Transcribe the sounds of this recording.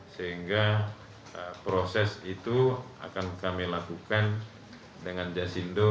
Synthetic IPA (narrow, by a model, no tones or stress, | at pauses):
səɦiŋɡa | əpɾosɛsit̪u | a̰kankamilakukan | dəŋand͡ʒasindo